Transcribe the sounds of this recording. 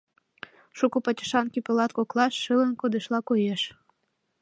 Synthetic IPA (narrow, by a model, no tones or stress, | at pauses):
ʃukupɑtʲə̥ʃɑnkipəlɑt̪koklɑʃːɨlənkod̪eʃlɑkojeʃ